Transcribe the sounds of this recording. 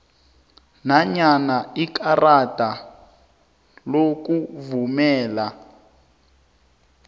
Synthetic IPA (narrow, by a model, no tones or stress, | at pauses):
naɲanaikarata | lok̬uvumɛːla